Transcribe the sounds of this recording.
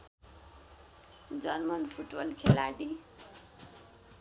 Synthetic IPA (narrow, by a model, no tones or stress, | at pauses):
d͡zʌnmʌnpʰuʈbʌlkʰelaɽi